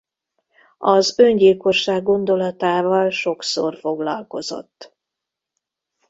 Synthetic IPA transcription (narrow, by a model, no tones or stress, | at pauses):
ɒzø̞ɲɟilko̞ʃːaːɡːo̞nd̪o̞lɒt̪aːvɒlʃo̞ksorfo̞ɡlɒlko̞zo̞̰t̪ː